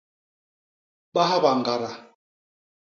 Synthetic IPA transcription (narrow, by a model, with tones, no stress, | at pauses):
ɓa˦ɦa˦ba˨ŋ˨ɡa˨ɾa˨